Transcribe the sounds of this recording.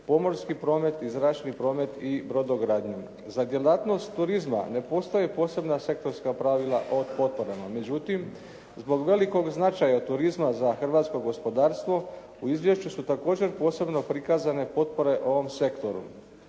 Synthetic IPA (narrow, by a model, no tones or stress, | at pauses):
po̞mo̞ɾskipɾo̞ːme̞t̪izɾat͡ʃnipɾo̞ːme̞t̪ibɾo̞d̪o̞ɡɾaːd̪ɲu | zad̪je̞lat̪no̞st̪ːuɾizma̰ne̞po̞ːst̪ajepo̞ːse̞bnase̞k̚t̪o̞ɾskapɾaʋilˠa̰ʔod̪po̞t̪̚po̞ɾamame̞d͡ʑut̪im | zbo̞ɡʋe̞liko̞ɡznat͡ʃajat̪uɾizmazaxr̩ʋaːt̪sko̞ɡo̞spo̞d̪aːɾst̪ʋo̞ | uizʋje̞ʃt͡ɕusut̪ako̞ːd͡ʑe̞ɾpo̞ːse̞bno̞pɾikaːzane̞po̞t̪̚po̞ɾe̞ʔo̞ʋo̞mse̞kt̪o̞ɾṵ